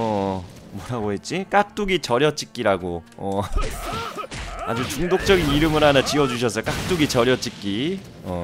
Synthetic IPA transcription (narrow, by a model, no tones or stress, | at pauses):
ʌmwʌɾaɡoɦet̚t͡ɕ͈ik͈ak̚t͈uɡit͡ɕʌɾjʌt͡ɕ͈ik͈iɾaɡoʌ | a̰d͡ʑut͡ɕuŋdok̚t͡ɕ͈ʌɡiniɾɯmɯɾɦanat͡ɕiʌd͡ʑuɕ̬ʰʌs̬͈ʌk͈ak̚t͈uɡit͡ɕʌɾjʌt͡ɕ͈ik͈i | ʌ